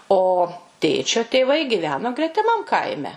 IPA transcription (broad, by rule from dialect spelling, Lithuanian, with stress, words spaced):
oː ˈtʲeːt͡ʃʲoː tʲeːˈʋɐɪ ɡʲɪˈʋʲæːnoː ɡrʲɛtʲɪˈmɐm ˈkɐɪmʲɛ